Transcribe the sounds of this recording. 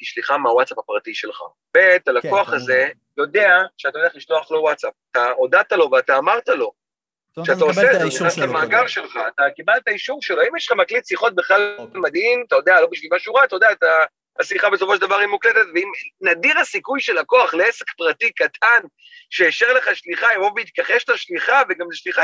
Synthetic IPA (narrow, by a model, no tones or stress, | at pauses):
kiʃliχameawatsapapʁatiʃe̞lχa̰ | bet̪alako̞aχaze̞ | jo̞de̞aʃeat̪ajleaχliʃto̞aχlo̞watt͡sap̚t̪aodat̪alo̞veat̪aːmaʁt̪alo̞ | ʃeat̪aoseetenastamaːɡaʁʃe̞lχaːt̪akibaltaiʃuvʃeloaimjeʃlχamaklitsiχo̞t̚beχlalmad̪imat̪ajo̞d̪ealo̞biʃvilmaʃuʁat̪ajod̪eat̪a | hasliχabes̬o̞fo̞ʃeld̪avaʁimuklete̞t̪veimnadiʁhasikujʃe̞lako̞aχleesekpʁatikatʰan | ʃeːʃeʁle̞χaʃliχaimʁobeit̪̚kaχefʃtaʃliχaveɡamzeʃliχa